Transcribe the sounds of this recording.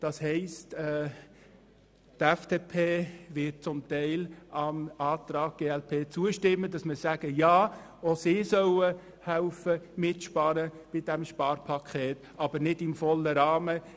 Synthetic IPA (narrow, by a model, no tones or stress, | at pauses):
d̥ɑshɛɪstɛ | tɛfd̥epʰeːvɪt̚t͡sʊmtɛɪlɑmɑːtɾɑːɡ̥̚ɡ̥eːɛlpʰeːt͡suəʃtɪmːədɑsməsæɡ̥əjɑː | osɪsœʊə | hæʊfəmɪtʃpɑɾə | b̥ɪd̥ɛmʃpɑːɾpʰɑkʰeːt̪ | ʔɑb̥əɾnɪdɪmfɔlːəɾɑːmə